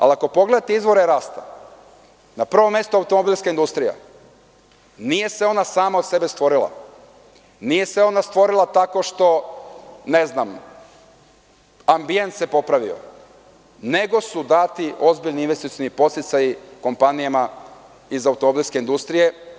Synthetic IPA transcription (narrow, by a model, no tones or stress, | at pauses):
a̰liako̞po̞ɡle̞d̪at̪eizʋo̞ɾeɾaːst̪a | napr̩ʋo̞mje̞st̪uawt̪o̞mobiːlʲˠskaind̪ust̪ɾija̰ | nije̞seo̞nasaːmaose̞be̞st̪ʋo̞ɾila̰ | nije̞seo̞nast̪ʋo̞ɾilˠat̪ako̞ʃt̪o̞ | ne̞znam | ambije̞nt̪se̞po̞pɾaʋio̰ | ne̞ɡo̞sud̪at̪io̞zbiʎniinʋest̪it̪ijonipo̞t̪sit̪sajiko̞mpanijama | izaut̪omo̞bilʲˠske̞ind̪ust̪ɾije̞